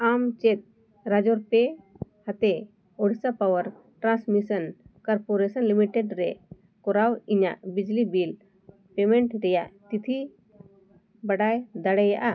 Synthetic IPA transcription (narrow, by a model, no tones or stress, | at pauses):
amt͡ʃɛt̪̚ | ɾad͡ʒɔɾpɛhat̪ɛ | ɔɽisapawəɾ | ʈɾãsmisənkɔɾpoɾɛsənlimiʈɛɖɾɛ | kɔɾawiɲa̰ʔbid͡ʒlibil | pemɛ̃ɳʈɾɛjaʔt̪it̪ʰi | bɐɖajd̪aɽɛjaʔa